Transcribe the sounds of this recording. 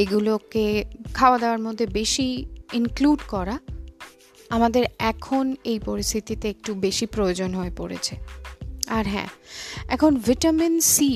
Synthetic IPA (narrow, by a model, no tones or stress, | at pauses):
eɡulokekʰaoad̪eoaɾmod̪ʱːebeʃiinkluɖkɔɾa | amad̪eɾɛkʰonejpoɾist̪ʰit̪it̪eek̚ʈubeʃipɾojod͡ʑonɦoepoɾḛt͡ɕʰe | aɾɦɛ̰̃ɛ̰kʰonviʈaminsi